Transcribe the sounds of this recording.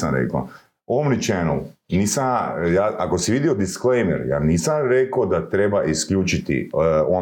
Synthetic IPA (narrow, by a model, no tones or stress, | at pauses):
samɾḛka̰ | oʋomnit͡ʃenṵniːsajaːako̞siʋid̪iod̪isklejmḛɾja̰ːniːsamɾe̞kod̪at̪ɾe̞baʔiskʎʲuːt͡ʃit̪ḭo